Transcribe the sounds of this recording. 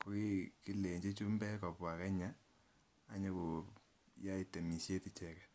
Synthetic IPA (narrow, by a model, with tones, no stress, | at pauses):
ko˨ki˦ki˦le˨ɲd͡ʒi˦t͡ʃu˦mbɛ˦kɔ˨pwa˨kɛ˦ɲaː˦˨ | ɲo˦ko˨ | ja˦i˨te˨mi˨sje˦ti˦t͡ʃɛ˨kɛ˨